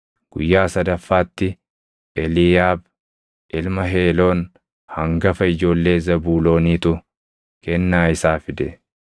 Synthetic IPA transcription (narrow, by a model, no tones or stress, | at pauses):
ɡ̥ʊjːaːsɐd̪ɐfːaːt̪ːɪ | ʔɛlɪjaːb | ʔɪlmɐɦe̞ːlo̞ːn | hɐŋɡɐfɐɪd͡ʒo̞ːlːe̞ːzɐbuːlo̞ːniːt̪ʊ | kɛnːaːɪsaːfɪd̪ɛ